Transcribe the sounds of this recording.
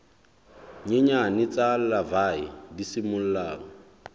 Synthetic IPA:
ɲeɲanɪt͡sʼallavaidisimʊl̩laːŋɔ

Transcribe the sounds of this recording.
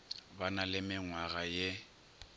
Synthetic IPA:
banalɪmɪŋwaɣaje

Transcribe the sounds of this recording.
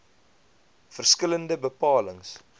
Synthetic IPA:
fərskələndəbəpɑːləŋs

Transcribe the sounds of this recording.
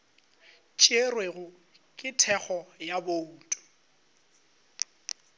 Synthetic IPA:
t͡ʃʼerweɣʊ | kʼɪtʰɛk͡xɔjaboutʼu̥

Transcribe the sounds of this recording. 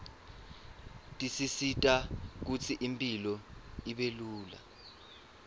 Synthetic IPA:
tʼisisitʼak̬ut͡sʰiʔimpʼilɔiɓeluːla̰

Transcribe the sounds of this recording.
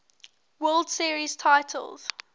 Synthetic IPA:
wɜːlˠdsiəɹiz̥tʰaɪtʰə̰lˠz̥

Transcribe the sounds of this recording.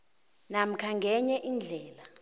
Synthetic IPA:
nam̩kʰaŋɡʱɛɲɛʔind͡ɮʱɛːla

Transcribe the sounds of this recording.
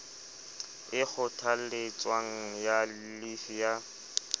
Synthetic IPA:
ɪk͡xʊtʰal̩let͡sʼwaŋ̩ja | lifija

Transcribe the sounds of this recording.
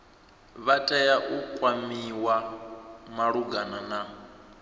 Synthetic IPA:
βatʼajaʔukʼwamiwa | maɺuɡanana

